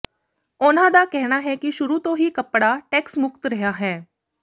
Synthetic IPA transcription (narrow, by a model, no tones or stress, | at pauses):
ʊnãːd̪aːkɛɦnaːɦɛːkiʃʊɾuːt̪õːɦiːkəpːɽaːʈɛːksmʊk̚t̪ɾəɦjaːɦɛː